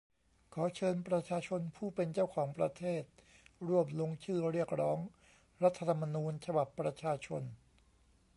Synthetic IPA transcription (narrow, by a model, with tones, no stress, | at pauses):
kʰɔː˩˦t͡ɕʰɤː˧npɾa˧t͡ɕʰaː˧t͡ɕʰo˧npʰuː˥˩pe˧nt͡ɕa˥˩wkʰɔː˩˦ŋpɾa˧t̪ʰeː˥˩t̪̚ɾu˥˩əmlo˧ŋt͡ɕʰɯː˥˩ɾi˥˩ək̚ɾɔː˦˥ŋ | ɾa˦˥t̪ʰːa˧t̪ʰa˧mːa˧nuː˧nt͡ɕʰa˧ba˨˩pːɾa˧t͡ɕʰaː˧t͡ɕʰo˧n